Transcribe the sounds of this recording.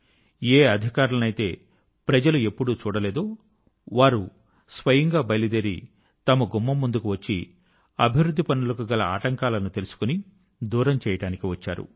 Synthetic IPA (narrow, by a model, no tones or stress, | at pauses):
eːɐd̪ʱikaːɾulɐnɐjit̪e̞ː | pɾɐd͡ʒɐlue̞pːuɽut͡ʃuːɽɐle̞ːd̪oː | ʋaːɾu | sʋɐjɐŋɡaːbɐjlid̪eɾi | t̪ɐmɐɡumːɐmːund̪ukuʋɐt͡ʃːi | ɐbʱiʋɾud̪ʱːipɐnulɐkuɡɐlɐa̰ːʈɐŋkaːlɐnut̪e̞lusu̥kuni | d̪uːɾɐmt͡ʃɛːjɐʈaːnikiʋɐt͡ʃːa̰ːɾṵ